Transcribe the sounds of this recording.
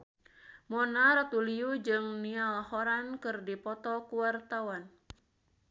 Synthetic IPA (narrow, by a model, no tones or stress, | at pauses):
mɔnaɾɔt̪uliud͡ʒɨŋnialhɔɾankɨrdipɔt̪ɔkuwart̪awan